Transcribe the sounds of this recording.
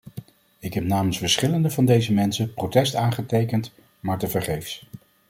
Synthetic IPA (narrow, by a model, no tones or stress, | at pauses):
ɪkɦɛp̚naːmənsfəɹsχɪləndəvɑndejzəmɛnsəprowtɛstaːnχətejkənt | maːɹtəvəɹχejfs